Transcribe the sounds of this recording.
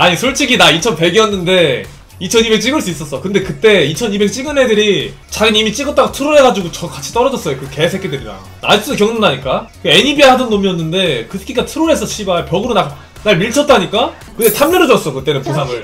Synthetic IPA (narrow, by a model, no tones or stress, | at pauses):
aɲisʰoɭt͡ɕʰiɡinait͡ɕʰʌnpe̞ɡiʌnːɯnde̞ | it͡ɕʰʌnibe̞k̚t͡ɕ͈iɡɯɭs͈uis͈ʌs͈ʌkɯnde̞kɯt͈e̞it͡ɕʰʌnibe̞k̚t͡ɕ͈iɡɯne̞dɯɾi | t͡ɕaɡinimit͡ɕ͈iɡʌt͈aɡatʰuɾoɾɦe̞ɡad͡ʑiɡot͡ɕʌkat͡ɕʰi̥t͈ʌɾʌd͡ʑʌs͈ʌjokɯɡke̞es̬ʰek͈edwemida̰ | na̰is͈udokjʌŋnɯndaɲik͈a | e̞ɲibiahadɯnːomiʌnːɯnde̞kɯtʰɯ̥kʰik͈atʰɯɾoɾe̞sʰʌt͡ɕʰibajopjʌɡɯɾonak̚ | naɭmiɭt͡ɕʰʌt̚t͈aɲik͈a | kɯtdetʰamːʌɾɯd͡ʑʌs͈ʌkɯt͈e̞nɯnpos̬ʰaŋɯɭ